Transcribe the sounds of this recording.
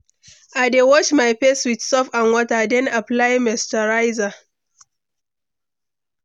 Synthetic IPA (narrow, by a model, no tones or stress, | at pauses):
ʔajdewɔt͡ʃmajpeswɪdsɔfãnwɔtadɛ̃naplajmɛstaɹajza